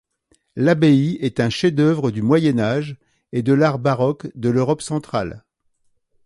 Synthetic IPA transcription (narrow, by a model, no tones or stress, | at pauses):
labeiɛt̪ɛ̃ʃed̪œvʁəd̪ymwajɛnaʒ | ed̪əlaʁbaʁɔkd̪əløʁɔpsɑ̃t̪χa̰l